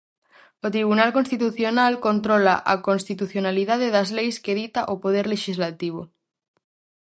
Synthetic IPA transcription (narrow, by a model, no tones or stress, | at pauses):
ot̪ɾiβunalkonst̪it̪uθjonalkont̪ɾolaʔa̰konst̪it̪uθjonaliðað̞eðazlejskeð̞it̪aʔopoðeɾleʃizlat̪iβ̞o